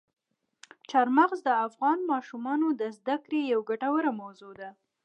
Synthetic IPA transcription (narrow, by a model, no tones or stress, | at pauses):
t͡ʃaɾmaɣzd̪əafɣɑnmɑʃumɑnod̪əzd̪akɾejawɡaʈawəɾamawzod̪a